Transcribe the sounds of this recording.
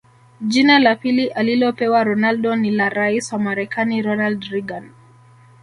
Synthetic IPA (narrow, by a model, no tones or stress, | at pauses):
d͡ʒinalapiliʔalilɔpɛwaɾɔnalɗɔnilaɾaiswamaɾɛkaniɾɔnaldɾiɡan